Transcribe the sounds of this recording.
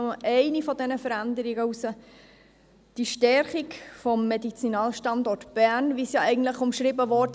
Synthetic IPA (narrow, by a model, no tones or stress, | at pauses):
ʔɛɪnifɔdɛnəfəɾændəɾiɡəusə | d̥iʃtɛɾχikfɔmːɛdit͡sinɑːlʃtɑndɔtb̥ænvisjɑʔɛɪɡən̩tləχʊmʃɾibəʋɔd